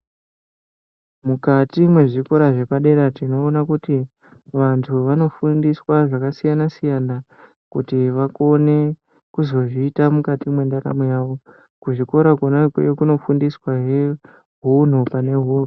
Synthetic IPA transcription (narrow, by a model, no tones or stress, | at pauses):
mukatimwe̞ʐiko̞ɾaʐe̞paɗe̞ɾatino̞ːnakuti | ʋantʰuʋano̞fundiswaʐakasijanasijana | kutiʋako̞ne̞ | kuzo̞ʐiːtamukatimwe̞ndaɾa̰mujaːʋo̞ | kuʐiko̞ɾakwonakwḛkuno̞fundiswaɦe̞ | ɦun̤upane̞ɦunu